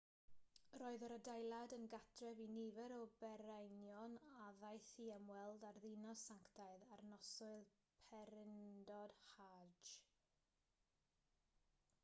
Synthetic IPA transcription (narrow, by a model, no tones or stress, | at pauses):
roːɨðəɾədajlˠadənɡatʰrɛvinivɛɾɔbɛɾajnjɔnaðajθiəmwɛlˠdarðɪnɔsaŋktʰaɨðarnɔsʊɨl | pʰɛɾɪndɔd̥had͡ʒ